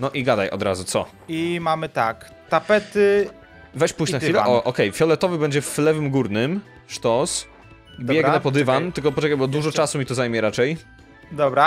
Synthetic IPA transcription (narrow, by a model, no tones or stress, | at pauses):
nɔʔiɡad̪ajʔɔ̰d̪ɾa̰zut̪sɔ | imamɘt̪ak | t̪apɛt̪ɘ | vɛɕt͡ɕpujt͡ɕnaxfilɛʔɔʔɔkɛjfʲjɔlɛt̪ɔvɘbɛɲd͡ʑɛflɛvɘmɡuɾnɘm | ʂt̪ɔs | bjɛɡnɛpɔd̪ɘvant̪ɘkɔpɔt͡ʂɛkajbɔd̪wuʐɔt͡ʂasumʲit̪ɔzajmʲjɛɾat͡ʂɛj | d̪ɔbɾa